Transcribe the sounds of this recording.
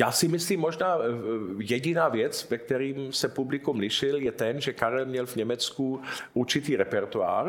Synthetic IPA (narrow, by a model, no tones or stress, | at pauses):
jaːsɪmɪsliːmːoʒnaːjɛɟɪnaːvjɛt͡svɛk̚t̪ɛɾiːmsɛpublɪkumlɪʃɪljɛt̪ɛnʒɛkaɾɛlmɲɛlvɲɛmɛt͡skuʔuɾt͡ʃɪt̪iːɾɛpɛɾt̪ua̰ːr